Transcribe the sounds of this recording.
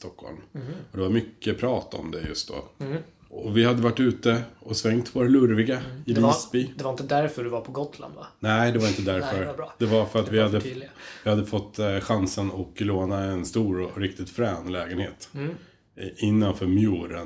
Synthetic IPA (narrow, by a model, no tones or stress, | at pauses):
st̪ɔkʰhɔ̰lmɔd̪ɛvaɾmʏkːəpʰɾɑːt̪aɔ̰md̪ɛjɵ̰st̪̚d̪o̰ː | ɔvɪhad̪ːəvaʈːʉ̟ːt̪əɔsvɛŋt̪voːɾalɵɾvɪɡaɪlisbid̪ɛvaɾɪnt̪əd̪æɾfœɖɵvaɾpʰɔɡɔt̪la̰nd̪va̰nɛɪd̪ɛvaɾɪnt̪əd̪æɾfœɾd̪ɛvaɾfœɾat̪vɪhad̪ːəlvɪhad̪ːəfɔt̪ːɧansənɔkloːnaɛnst̪uːɾɔɾɪk̚t̪ɪt̪fɾɛːnlɛːɡənheːt̪ | ɪnːanfœːɾmjuːɾə̰n